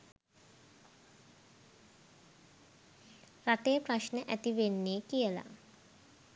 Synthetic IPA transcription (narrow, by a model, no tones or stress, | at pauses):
ɾaʈejpɾaʃnəʔæt̪iʋenːeːkijəla̰